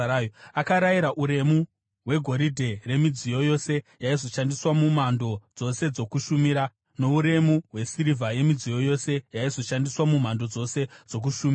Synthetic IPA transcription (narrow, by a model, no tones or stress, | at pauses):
ajoakaɾaiɾaʔuɾe̞mu | ɦwe̞ɡʱo̞ɾidʱe̞re̞mid͡zijo̞jo̞se̞jaizo̞ʃandiswamumando̞d͡zo̞se̞d͡zo̞kuʃumiɾa | no̞uɾe̞muɦwe̞siɾivʱaje̞mid͡zijo̞jo̞se̞jaizo̞ʃandiswamumando̞d͡zo̞se̞d͡zo̞k̬uʃumia